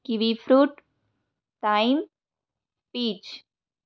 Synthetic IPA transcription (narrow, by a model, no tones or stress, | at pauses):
kiʋifɾuːʈ | ʈaim | piːt͡ʃ